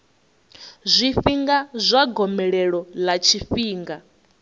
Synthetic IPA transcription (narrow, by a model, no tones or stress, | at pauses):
zʷiɸiŋɡazʷaɡɔmɛɺɛɺɔlat͡ʃʰifiːŋɡa